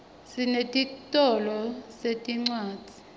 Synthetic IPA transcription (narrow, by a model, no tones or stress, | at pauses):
sinetʼitʼɔlɔsetʼiŋ͡ǀwaːtʼi̥